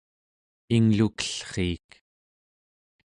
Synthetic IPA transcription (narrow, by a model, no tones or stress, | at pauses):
iŋlukə̥ɬχiːk